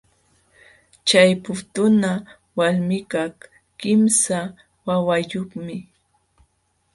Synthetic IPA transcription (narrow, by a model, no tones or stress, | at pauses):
t͡ʃajpʊt̪ʊna | walmɪkaχ | kɪmsa | wawajoχmɪ